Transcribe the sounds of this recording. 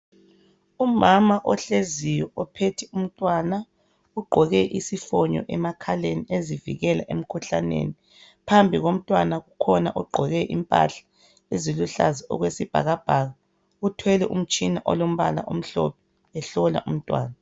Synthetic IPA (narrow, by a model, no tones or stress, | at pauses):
umamaʔɔɬezijɔɔpʰetʰium̩tʼwana | uɡ͡ǃʱɔɣɛʔisifɔɲɔ̰ʔɛmakʰaleniezivḭɣɛlaʔem̩kʰuɬa̰nḛni | pʰambʱiɣom̩tʼwanaɣukʰɔnaʔɔɡ͡ǃʱɔɣɛʔḭmpʼa̰ɬḁ | eziluɬa̰zɛɔ̰ɣwesib̥ʱa̰ɣab̥ʱaɣa | ɣutʰwɛlɛʔum̩t͡ʃʼinaʔɔ̰lom̩βa̰la̰ʔom̩ɬɔ̰pʰɛ | ɛɬɔla̰ʔum̩tʼwa̰ːna